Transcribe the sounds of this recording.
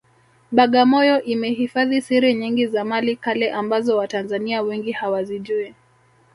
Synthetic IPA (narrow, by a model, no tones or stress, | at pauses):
ɓaɠamɔjɔʔimɛɦifaðisiɾɛɲiŋɡizamalikalɛʔambazɔwatanzaniawɛŋɡihawaziʄuɛ